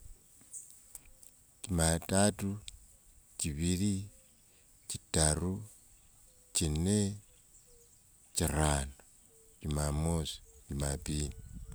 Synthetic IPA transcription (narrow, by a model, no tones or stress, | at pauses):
cimatatu | ciβiɾi | citaɾu | cine | ciɾano | cimamosi̥cimapini